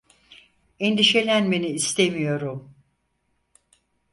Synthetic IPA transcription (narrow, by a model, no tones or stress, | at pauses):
end̪iʃe̞lʲænbeniːst̪ʰe̞mijo̞ɾum